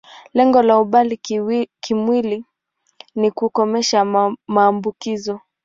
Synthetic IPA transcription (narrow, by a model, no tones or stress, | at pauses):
lɛŋɡɔlauɓalikimwili | nikukɔmɛʃamaːmbukizɔ